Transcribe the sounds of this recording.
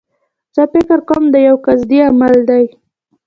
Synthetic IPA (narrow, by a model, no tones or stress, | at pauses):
z̥əfɪkɾkəmd̪əjawkazd̪iamald̪aj